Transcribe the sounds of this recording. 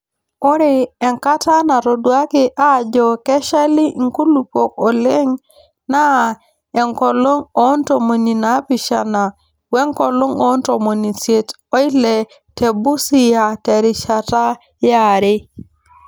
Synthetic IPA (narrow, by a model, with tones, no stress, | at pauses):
o˦ɾi˦e˨ŋka˦ta˦na˨to˨du˨˦a˦ki˦ʔa˦˨d͡ʒo˨ke˦ʃa˦li˦˨ŋ˦ku˦lu˨po˨ko˨le˦ŋ | na˦ | e˨ŋko˨lo˦ŋo˦n˦to˨mo˨ni˨na˨˦pi˨ʃa˨na˨ | we˦ŋko˨lo˦ŋo˦n˦to˨mo˨ni˨sje˦t | o˦i˦le˨ | te˨bu˦si˨ja˨te˨ɾi˨ʃa˨ta˦ | ja˨ɾi˦